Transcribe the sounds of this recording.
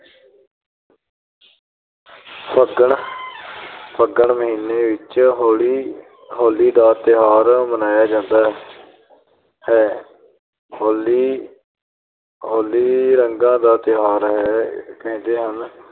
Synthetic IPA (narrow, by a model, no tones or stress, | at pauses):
pʰəɡəɳ | pʰəɡəɳməɦiːnːeːʋɪt͡ʃɦoli | ɦoːliːd̪aːt̪ɪɦaːɾmənaːjaːd͡ʒãːnd̪aːɦ | hɛː | oːliː | ɦoːliːɾəŋɡãːd̪aːt̪ɪɦaːɾɦɛːkɛ̃ːnd̪eːɦən